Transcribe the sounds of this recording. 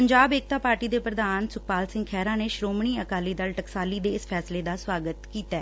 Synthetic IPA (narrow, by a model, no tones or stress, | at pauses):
pəɲd͡ʒaːbeːk̚t̪aːpaːɾʈiːd̪eːpɾəd̪aːnsʊk̚paːlsɪ̃ŋɡkʰɛːɾãːneːʃɾoːmɳ̃iːəkaːliːd̪əlʈəksaːliːd̪eːɪspʰɛːsleːd̪aːswaːɡət̪kiːt̪aː